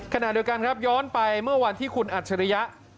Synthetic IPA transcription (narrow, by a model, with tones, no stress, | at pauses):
kʰa˧na˨˩di˧wka˧nkʰɾa˦˥p̚jɔː˦˥npa˧jmɯ˥˩ɐwa˧nt̪ʰiː˥˩kʰu˧nʔa˨˩t͡ɕʰa˧ɾa˦˧ja˦˥ʔ